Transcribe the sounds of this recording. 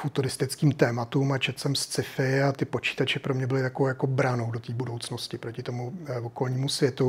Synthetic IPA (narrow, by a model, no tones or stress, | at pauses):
fut̪uɾɪst̪ɪt͡skiːmt̪ɛːmat̪umat͡ʃɛt̪sɛmst͡sɪfɪat̪ɪpo̞t͡ʃi̥t̪at͡ʃɛpɾo̞mɲɛbɪlɪt̪akoowjakobɾano̞wdo̞t̪iːbudo̞wt͡sno̞scɪpɾo̞cɪt̪o̞muoko̞lɲiːmusvjɛt̪u